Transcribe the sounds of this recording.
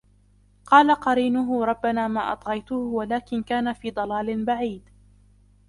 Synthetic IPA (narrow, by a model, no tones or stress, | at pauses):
qɑːlaqɑɾiːnʊɦʊɾˤɑbːanaːmaːʔɑ̰t̪ˤɣɑjt̪ʊhwalaːkɪnkaːnafiːd̪ˤɑlɑːlɪnbaʕiːd̪